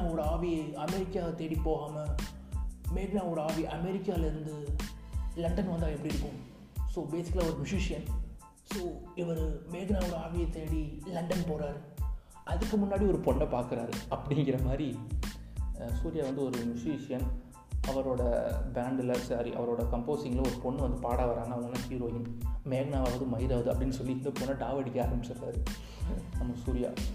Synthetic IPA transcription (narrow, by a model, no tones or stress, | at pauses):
oːɽɐaːʋiɐɐmɛɾɪkːaːt̪eːɽipːoːɣaːmɐ | meːɣɪnaːʋoːɽɐaːʋiʔɐmɛɾɪkːaːɪlɪɾɯnd̪ɯ | lɐɳɖɐnʋɐnd̪aːɛpːɐɽiɪɾɯkːʊ̃ | soːbeːsɪ̥kːlaːɔɾɯmʊʂiːʂɪjɐn | soːɪʋɐɾmeːɣɪnaːoːɽɐaːʋɪjɐt̪eːɽilɐɳɖɐnpoːɾaːɾɯ | ʔɐðɯkːɯmʊnːaːɽiɔɾɯpɔɳːɐpaːɾkɪɾaːɾɯɐpːɐɽɪŋɡɪɾɐmaːd̪ɾi | suːɾɪjaːʋɐnd̪ɯɔɾɯmʊʂiʂɪjɐn | ɐʋɐɾoːɽɐ̰baːɳɖɪlɐsaːɾḭʔɐ̰ʋɐɾoːɽɐkɐmpoːsɪŋɡɐlɔɾɯpɔɳːɯʋɐnd̪ɯpaːɽaːʋɐɾaːŋɡɐːʋɐŋɡɐlːãːhiːɾoːjɪŋmeːɣnaːʋaːʋɐðɯmɐɦɪɾaːʋɐðɯɐpːɐɽɪnːɯsɔlːind̪ɐpoːnːaːɖaːʋɐɽɪkːea̰ːɾɐmbɪt͡ʃːɐɾːa̰ːɾɯ | nɐmːɐsuːɾɪja̰ː